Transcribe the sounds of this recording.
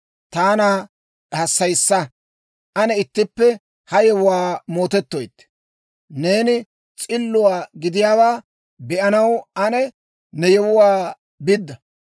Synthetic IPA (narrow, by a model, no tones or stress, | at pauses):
t̪aːnaː | hɐsːɐjsːɐ | ʔɐnɛɪt̪ːɪpːɛ | hɐjɛwʊwaːmo̞ːt̪ɛt̪ːojt̪ː | neːnɪ | t͡sʼɪlːʊwaːɡɪd̪ɪjaːbaː | bɛʔɐnɐwʔɐnɛ | nɛjɛwʊwaː | bɪd̪ːɐ